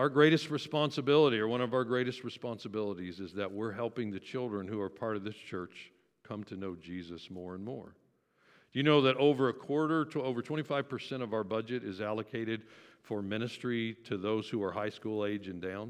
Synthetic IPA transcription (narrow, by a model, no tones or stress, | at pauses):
aʊə˞ɡɹeɪɾɨst̚ɹɨspɑ̃nsɨbɪlˠəɾiə˞wʌ̃ñʌvaʊə˞ɡɹeɪɾɨst̚ɹɨspɑ̃nsəbɪlˠəɾizɨzðɨʔ̚wɪɹɦɛlˠpɪ̃ŋðɨt͡ʃʰɪlˠdɹɨ̃nhuə˞pʰɑɹɾʌvðɪst͡ʃʰɜ˞t͡ʃ | kʰʌ̃mtʰɨnoʊd͡ʒizɨsmɔɹə̃nmɔ̰ɹ | d̥ɨjɨnoʊðɨɾoʊvə˞ɨkʰw̥ɔɹɾə˞ɾʰəoʊvə˞tʰw̥ɛ̃ɾ̃ifaɪv̥pʰə˞sɛ̃ɾ̃ʌvaʊə˞bʌd͡ʒɨɾɨzælˠəkʰeɪɾɨd̥fə˞mɪ̃ñɨstɹ̥iɾɨðoʊz̥huə˞haɪskulˠeɪd͡ʒɨ̃ndãʊ̃n